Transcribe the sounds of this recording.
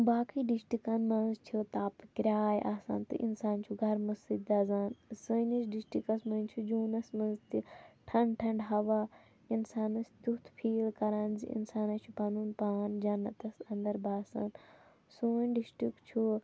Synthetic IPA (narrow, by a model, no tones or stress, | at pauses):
baːkiːɖisʈikɐnmɐnzt͡ʃʰut̪aːpkɾʲaːjʔaːsa̰ːnt̪ɨ̰ʔḭnsaːnt͡ʃʰuɡʱɐɾmɐsid̪aːzaːnsəːnɐsɖisʈikɐsmɐnʲt͡ʃʰud͡ʒuːnɐsmɐ̃nzt̪iʈʰɐɳʈʰɐɳɖɦɐʋa | insaːnɐst̪ut̪ʰpʰiːlkɐɾaːnzḭʔḭnsaːnɐt͡ʃʰupaːnuːnpaːnd͡ʒɐnːɐt̪ɐsɐnd̪ɐɾbaːsa̰ːn | soːnɖisʈikt͡ʃʰu